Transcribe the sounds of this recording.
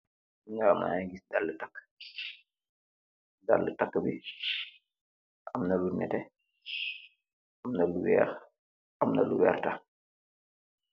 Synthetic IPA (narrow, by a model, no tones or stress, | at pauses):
ŋama̰aŋɡisdalːətakː | da̰lːətakːbi | ʔɐmnɐlunɛtɛ | ɐmnɐluwɛ̰ːx | ɐmnɐ̰luwɛ̰ːrta